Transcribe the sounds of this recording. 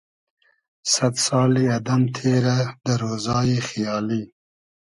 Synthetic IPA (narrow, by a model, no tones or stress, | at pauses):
sat̪sɑliad̪amt̪ʰeɾad̪əɾozɑjexjɑːli